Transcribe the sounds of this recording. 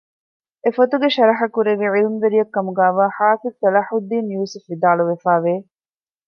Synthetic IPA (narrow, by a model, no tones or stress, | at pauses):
efot̪uɡeʃɐɾɐɦɐkuɾeʋiʕilmʋeɾijɐkːɐmuɡæːʋaːħaːfid̪̚t̪ɐlɐħud̪ːiːnjuːsɐfʋid̪aːɭuʋefæːʋeː